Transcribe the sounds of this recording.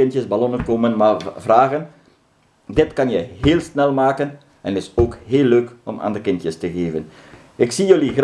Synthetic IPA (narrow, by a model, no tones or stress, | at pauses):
ɪntjəsbalɔnənkomənmavraːɣən | dɪtkɑnjɛjɦeːlˠsnɛlˠmaːkən | ɛnɪsoːkheːlːøːkɔmʔa̰ːndəkɪntjəstəɣeːvən | ɪksijøliɣr